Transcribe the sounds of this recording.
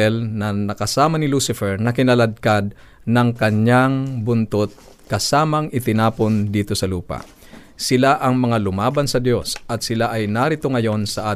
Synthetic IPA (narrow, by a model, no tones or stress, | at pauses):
ɛlnɐnɐkɐsaːmɐnɪlusɪfɛɹnɐkɪnɐlɐd̪̚kad̪̚ | nɐŋkɐɲːaŋbʊnt̪ot̪̚ | kɐsaːmɐŋʔɪt̪ɪnaːpo̞nd̪iːt̪o̞sɐluːpɐ̰ | sɪlaʔɐŋmɐŋalʊmaːbɐnsɐd̪jo̞sɐt̪sɪlaʔɐjnaɾɪt̪o̞ŋɐjo̞nsɐʔaː